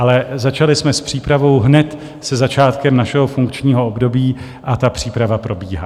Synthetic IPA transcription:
ʔalɛzat͡ʃalɪsmɛspr̝̥iːpɾavo̞wɦnɛt̪ | sɛzat͡ʃaːt̪kɛmnaʃɛɦo̞fuŋkt͡ʃɲiːɦo̞obdo̞biː | ʔat̪apr̝̥iːpɾavapɾo̞biːɦa̰

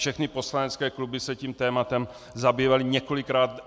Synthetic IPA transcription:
ʃɛxnɪpo̞slanɛt͡skɛːklubisɛciːmt̪ɛːmat̪ɛm | zabiːvaliɲɛko̞likɾaːt̪

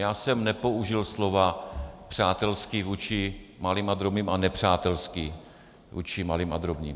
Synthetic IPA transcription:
jaːsɛmnɛpo̞uʒɪlslovapr̝̥aːt̪ɛlskɪvuːt͡ʃɪmaliːmad̪ɾobniːmanɛpr̝̥aːt̪ɛlskɪ | vṵːt͡ʃɪmaliːma̰d̪ɾobɲḭːm

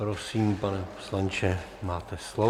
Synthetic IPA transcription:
pɾosiːmpanɛpo̥slant͡ʃɛ | maːt̪ɛslo

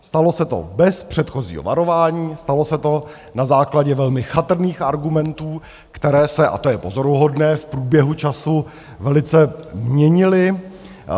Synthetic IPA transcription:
st̪alo̞sɛt̪o̞̰bɛspr̝̥ɛt̪xo̞zḭːɦo̞̰vaɾo̞vaːɲiːst̪alo̞sɛt̪o̞ | nazaːklaɟɛvɛlmɪxat̪r̩niːxʔaɾɡumɛnt̪uː | kt̪ɛɾɛːsɛʔa̰t̪o̞jɛpo̞zo̞ɾuɦo̞dnɛːfpɾuːbjɛɦut͡ʃasu | vɛlɪt͡sɛmɲɛɲɪlɪ

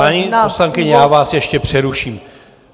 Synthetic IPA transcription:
aɲioslaŋkɪɲɛjaːvaːsjɛʃcɛpr̥ɛɾuʃiːm

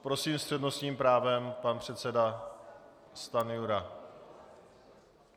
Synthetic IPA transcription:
pɾo̞siːmst̪r̥ɛdno̞st̪ɲiːmpɾaːvɛmpanpr̝̥ɛt̪sɛda | st̪anjuɾa

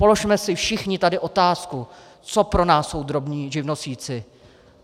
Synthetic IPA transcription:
po̞lo̞ʃmɛsɪfʃɪxɲɪt̪adɪʔo̞t̪aːsku | t͡so̞pɾo̞naːsːo̞wd̪ɾo̞bɲiːʒɪvnosiːt͡sɪ

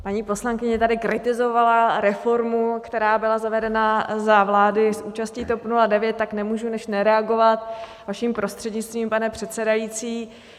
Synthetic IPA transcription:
paɲiːpo̞slaŋkɪɲɛt̪adɪkɾɪt̪ɪzo̞valaɾɛfo̞ɾmukt̪ɛɾaːbɪlazavɛdɛnazavlaːdɪsʔuːt͡ʃasciːt̪o̞pnuladɛvjɛt̪ːaknɛmuːʒunɛʃnɛɾɛaɡo̞vat̪ | vaʃiːmpɾo̞st̪r̥ɛdɲɪt͡st̪viːmpanɛpr̥ɛt̪sɛdajit͡siː

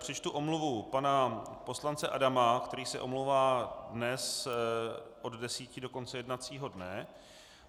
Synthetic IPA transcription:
pr̝̥ɪt͡ʃt̪uʔo̞mluvupanapo̞slant͡sɛʔadamakt̪ɛɾiːsɛ̰ʔo̞mlowvaːdnɛs | ʔo̞ddɛsiːcɪdo̞ko̞nt͡sɛjɛdnat͡siːɦo̞dnɛ

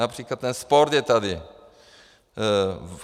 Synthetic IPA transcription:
apr̥iːklat̪ːɛnspɔɾt̪jɛt̪ad̪ɪ

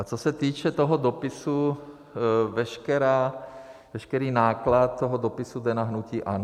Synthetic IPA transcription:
at͡sosɛt̪iːt͡ʃɛt̪oɦɔd̪opɪsu | vɛʃkɛɾaːvɛʃkɛɾiːnaːklat̪tːoɦɔd̪opɪsud̪ɛnaɦnuciːʔa̰n

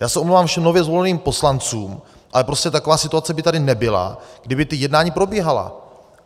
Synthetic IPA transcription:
jaːsɛomlovaːmfʃɛmnovjɛzvo̞lɛniːmpo̞slant͡suːm | ʔalɛpɾoscɛt̪ako̞vaːsɪt̪uat͡sɛbɪt̪adɪnɛbɪla̰ɡ̥dɪbɪt̪ɪjɛdnaːɲiːpɾo̞bjiɦala̰

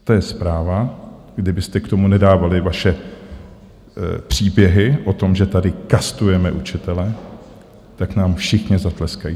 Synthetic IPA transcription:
t̪ojɛspɾaːva | ɡdɪbɪst̪ɛkt̪o̞munɛdaːvalɪvaʃɛ | pr̝̥iːbjɛɦɪʔo̞t̪o̞mʒɛt̪adɪkast̪ujɛmɛʔut͡ʃɪt̪ɛlɛ | t̪aknaːmfʃɪxɲɪzat̪lɛskajiː

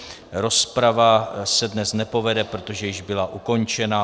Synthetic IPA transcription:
ɾo̞spɾavasɛdnɛsnɛpo̞vɛdɛpɾot̪o̞ʒɛjɪʒbɪlaʔuko̞nt͡ʃɛna

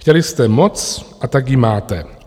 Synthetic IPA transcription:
xcɛlɪst̪ɛmot͡sʔat̪aɡjɪmaːt̪ɛ

